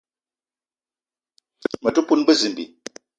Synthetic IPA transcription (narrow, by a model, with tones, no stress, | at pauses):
mə˨tu˦pu˦nɡ͡bə˦zi˨m˨bḭ˨